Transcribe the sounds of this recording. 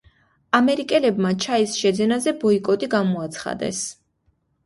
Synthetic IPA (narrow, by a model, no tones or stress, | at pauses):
amɛɾikʼɛlɛbmat͡ʃʰaisʃɛd̪zɛnazɛbɔikʼɔt̪ʼiɡamɔat̪sʰχa̰d̪ɛ̰s